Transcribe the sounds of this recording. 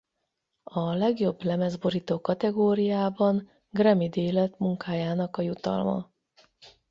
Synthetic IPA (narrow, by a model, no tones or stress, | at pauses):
ɒlɛɡjo̞blɛmɛzbo̞ɾit̪oːkɒt̪ɛɡoːɾijaːbɒn | ɡrɛmid̪eːlɛt̪muŋkaːjaːnɒkɒjut̪ɒ̰lmɒ̰